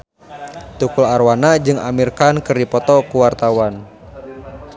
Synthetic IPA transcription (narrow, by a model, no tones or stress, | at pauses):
t̪ukularwanad͡ʒɨŋa̰mirkankɨrdipɔt̪ɔkuwart̪awan